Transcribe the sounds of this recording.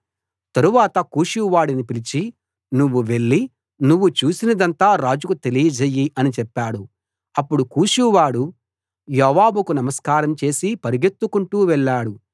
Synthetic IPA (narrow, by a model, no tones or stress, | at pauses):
t̪ɐɾuʋaːt̪ɐkuːʃuʋaːɽinipilit͡ʃi | nuʋːuʋe̞ɭːi | nuʋːut͡ʃuːsinɐd̪ɐnt̪aːɾaːd͡ʒukut̪e̞lijɐd͡ʒɐjːiʔɐnit͡ʃɛpːaːɽu | ɐpːuɽukuːʃuʋaːɽu | jɔːʋaːbukunɐmɐskaːɾɐmt͡ʃe̞ːsipɐɾiɡe̞t̪ːukuɳʈuːʋɛɭːaːɽu